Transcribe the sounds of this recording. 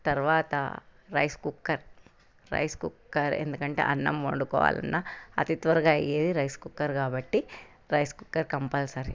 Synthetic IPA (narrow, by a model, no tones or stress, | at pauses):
t̪ɐɾʋaːt̪ɐ̰ɾɐjskukːɐɾ | ɾɐ̰jskukːɐɾḛnd̪ukɐɳʈḛːʔɐnːɐmʋoɳɖukɔ̰ːʋa̰ːlɐ̰nːɐɐt̪it̪ʋɐɾɐɡaːɐ̰jeːd̪iɾɐjskukːɐɾkaːbɐʈːi | ɾɐjskukːɐɾkɐmpɐlsɐɾ